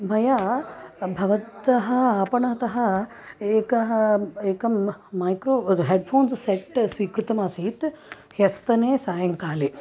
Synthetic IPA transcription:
mɐjaː | bʱɐʋɐt̪ɐɦɐ̆aːpɐɳaːt̪ɐɦɐ̆ | eːkɐɦɐeːkɐmmaːjkɾoːɦeːɖpʰoːnsseʈsʋiːkɾut̪ɐmaːsiːt̪ | hɐst̪ɐneːsaːjɐŋkaːle

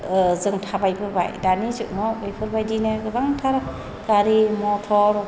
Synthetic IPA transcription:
zɯŋtʰabajpʰɯɾba̰jdanizuʔnɔbɯjpʰɯɾbajdinɯɡɯbaŋtʰaɾɔ | ɡ̥aɾimɔtʰɔɾ

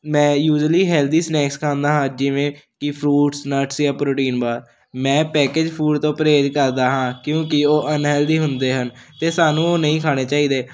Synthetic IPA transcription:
mɛ̃ːjuːd͡ʒəliːɦɛːld̪iːsnɛːkskʰãːnd̪aːɦãːd͡ʒɪʋẽːkɪpʰɾuːʈsnəɾʈsjãːpɾoːʈiːnbaːɾ | mɛ̃ːpɛːkeːd͡ʒpʰuːɖt̪õːpəɾeːd͡ʒkəɾd̪aːɦãːkjõːkɪoːʔənɦɛːld̪iːɦʊnd̪eːɦən | t̪eːsaːnũːoːnəĩːkʰaːɽ̃eːt͡ʃaːiːd̪eː

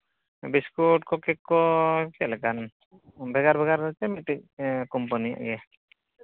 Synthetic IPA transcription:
biskuʈ̚kɔkɛkːɔkɛlɛkan | bʱɛɡaɾbʱɛɡaɾɔt͡ʃɛmiʈ̪ic̚kɔmpanija̰ʔɡɛ

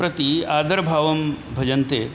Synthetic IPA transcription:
pɾɐt̪iaːd̪ɐɾbʱaːʋɐm | bʱɐd͡ʒɐnt̪eː

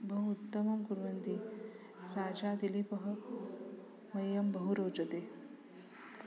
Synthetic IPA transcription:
bʱɐɦuut̪ːɐmɐmkuɾʋɐnt̪i | ɾaːd͡ʒaːd̪ilipɐɦɐ | mɐjːɐmbɐɦuɾoːd͡ʒɐt̪eː

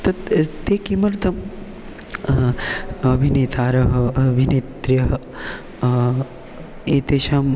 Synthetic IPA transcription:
t̪ɐt̪t̪eːkimɐɾt̪ʰɐm | ɐbʱineːt̪ʰaːɾɐɦɐɐbʱineːt̪ɾjɐɦɐ | eːt̪eːʃaːm

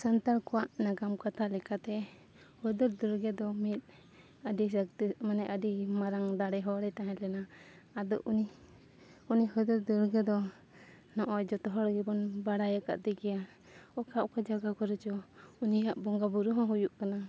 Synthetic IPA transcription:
sant̪aɾkɔwaʔnaɡamkat̪ʰalɛkat̪ɛ | hɔd̪ɔɾd̪uɾɡɛd̪ɔmit̪̚ | aɖiak̚t̪imanɛʔaɖimaɾaŋd̪aɽɛɦɔɾɛt̪aɦɛ̃lɛna | ad̪ɔʔuni | unihɔd̪ɔɾd̪uɾɡɛd̪ɔ | nɔʔɔjd͡ʒɔt̪ɔɦɔɽɡɛbɔnbaɽajaka̰ʔd̪ɛɡɛja | ɔkaʔkad͡ʒaɡakɔɾɛt͡ʃɔunijaʔbɔŋɡabuɾuɦɔ̃ɦujuʔkana

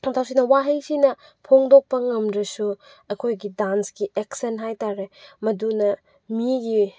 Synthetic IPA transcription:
tʰawsinɐwaɦejsinɐ | pʰoŋdok̚pɐŋɐmɾɐsu | ɐkʰojɡidansɡiʔeksenɦajtaɾemɐdunɐ | miɡi

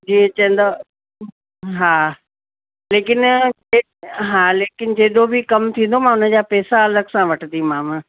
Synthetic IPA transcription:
d͡ʑiːẽt͡ɕɐ̃nd̪a | ɦaː | leːkɪn | e | ɦaːleːkɪnd͡ʑeːɗ̪obʱikɐmt̪ʰĩːn̆d̪omãːʊnə̆d͡ʑaːpɛːsaɐləɡsãʋɐʈʰəd̪imãːmə

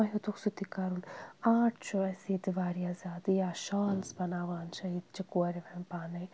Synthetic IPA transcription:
ɐjot̪uksut̪ikaɾulaːʈʰt͡ʃoɐsiːt̪iʋaːɾijazaːd̪ijaːʃaːlspɐnaːʋaːnʃɐjit̪t͡ʃɐkuɾiʋɐmpaːnɐj

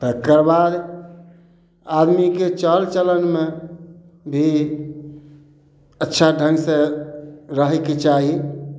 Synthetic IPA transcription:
t̪əkəɾbad̪ | ad̪miket͡ʃəlt͡ʃələnme | bʱi | ətːʃʰaɖʱə̃ŋɡsẽ | ɾəɦɛket͡ʃaɦi

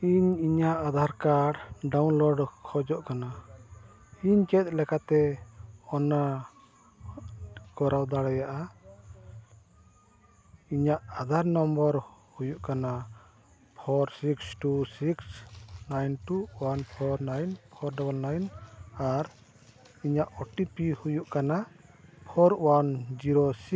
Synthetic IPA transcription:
iɲiɲaʔad̪ʱaɾkaɖɖawnlɔɖkʰɔd͡ʒɔʔkana | iɲkɛt̪̚ˀlɛkat̪ɛ | ɔna | kɔɾawd̪aɽajaʔa | iɲaʔad̪ʱaɾnɔmbɔɾhujuʔkana | pʰɔɾsiksʈusiksnajnʈuwanpʰɔɾnajnpʰɔɾɖɔbəlnajnaɾ | iɲaʔɔʈipihujuʔkana | pʰɔɾwand͡ʒiɾosi

